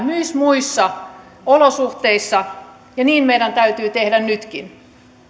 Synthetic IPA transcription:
myismuisːɑ | olosuht̪eisːɑ | jɑniːnmeidænt̪æyt̪yːt̪ehdænnyt̪kin

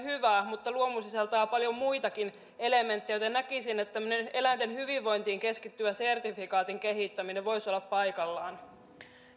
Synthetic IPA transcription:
hyʋæːmut̪ːɑluomusiselt̪ɑːpɑljo̞muit̪ɑkin | e̞leme̞nt̪ːijot̪enækisinːet̪ːt̪æmːønene̞lænt̪enhyʋiʋːo̞jnt̪iːŋke̞skit̪ːyæse̞rt̪ifikɑːt̪iŋke̞ɦit̪ːæmineʋʋo̞isolːɑppɑjkɑlːɑːn

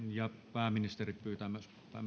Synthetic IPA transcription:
jɑpæːminist̪erippyːt̪æmæs | t̪æ̰ˑm

